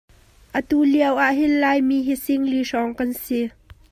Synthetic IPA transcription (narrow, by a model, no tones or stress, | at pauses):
ʔət̪uliəwʔaʔɦɪnlaːjmiːɦisɪŋliʂɔŋkɐnsi